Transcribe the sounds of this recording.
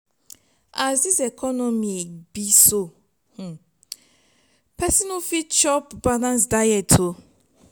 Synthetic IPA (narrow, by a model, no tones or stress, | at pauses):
asdisɛkʰɔnɔ̃mĩebiso | h̩ | pʰɛsɔnafit͡ʃɔpbalãnsdajɛtʰo